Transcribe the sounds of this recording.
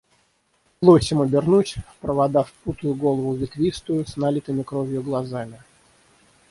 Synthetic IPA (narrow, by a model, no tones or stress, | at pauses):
plˠosʲɪmʊbʲɪrnutʲpɾəvad̪afput̪ʊjʊɡo̞lˠəvʊvʲɪt̪vʲist̪ʊjʊsnalʲit̪ɨmʲɪkɾovʲjʊɡlˠɐzamʲɪ